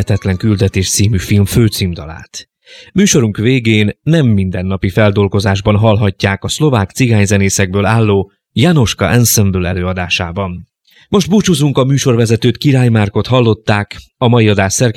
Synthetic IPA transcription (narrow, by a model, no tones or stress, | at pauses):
ɛt̪ɛt̪lɛŋkyld̪ɛt̪eːʃt̪siːmyfilmføːt̪siːmd̪ɒ̰la̰ːt̪ | myːʃo̞ɾuŋkveːɡeːnːɛmːind̪ɛnːɒpifɛld̪o̞lɡo̞zaːʒbɒnɦɒlɦɒcːaːkɒslo̞vaːkt̪siɡaːɲzɛneːsɛɡ̚bøːlaːlːoː | jano̞ʃkɒ̰ʔɛnsɛmbøːlɛ̰løːɒd̪aːʃaːbɒn | mo̞ʒd̪but͡ʃuzuŋkɒmyːʃo̞rvɛzɛt̪øːt̪kiɾaːjmarko̞t̪hɒlːo̞t̪ːaːk | ɒmɒjiɒd̪aːʃsɛrk